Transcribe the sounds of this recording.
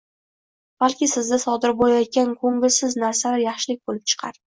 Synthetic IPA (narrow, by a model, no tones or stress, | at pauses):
b̥alkʲɪsɪzd̪asɒd̪ɪɾbolajɒt̪̚kʲankʰɵŋɪlsɪznaɾsalaɾjɑχʃɪlɪkʲbolɪp̚t͡ʃʰɨ̥qʰɑ̰ɾ